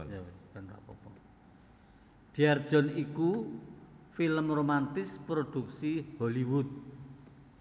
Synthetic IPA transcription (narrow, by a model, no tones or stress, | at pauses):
anra̰pɔpɔ | d̪̥i̤ard̥ʒ̥ɔ̤niku | filəmromant̪ɪspɾod̪̥ṳk̚siholiwʊt̪̚